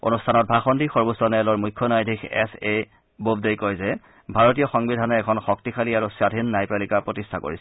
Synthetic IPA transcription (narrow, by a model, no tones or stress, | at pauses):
o̰nustʰanɔt̚bʱaxɔndixɔɹbosɔnɛlɔɹmujkʰːɔnajdʱikʰɛ̰se | bobdejkɔjzɛ | bʱaɹotijɔxɔŋbidʱanɔɛkʰɔnxɔk̚tikʰaliaɹusadʱinːajpɹalikapɹotistʰako̰ɹisɛ